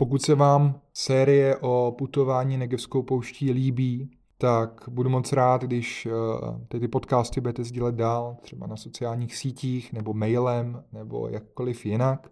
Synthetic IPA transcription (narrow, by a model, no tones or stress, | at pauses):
po̞k̬ut̪sɛvaːmsɛːɾɪjɛʔo̞put̪o̞vaːɲiːnɛɡɛfskowpowʃciːliːbiː | t̪akbudumo̞t͡sɾaːt̪ɡdɪʃ | t̪ɛt̪ɪpo̞t̪kaːst̪ɪbudɛt̪ɛzɟilɛt̪̚daːlt̪r̥ɛba̰naso̞t͡sɪaːlɲiːxsiːciːxnɛbo̞mɛjlɛmnɛbo̞̰jak̚ːo̞lɪfjɪnak